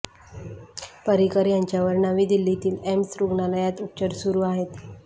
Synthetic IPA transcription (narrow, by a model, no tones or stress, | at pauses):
pəɾikəɾjaɲt͡ɕjaʋəɾɳaʋiːd̪ilːit̪iːlemsɾuɡɳaləjat̪up̚t͡ɕəɾsuɾuːaɦet̪